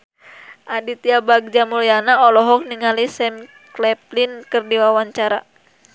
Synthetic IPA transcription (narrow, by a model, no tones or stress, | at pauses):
ʔadit̪iabaɡ̚d͡ʒamulianaɔlɔɦɔk̚niŋalisɛm | klɛp̚linkɨrdiwawaɲt͡ʃaɾa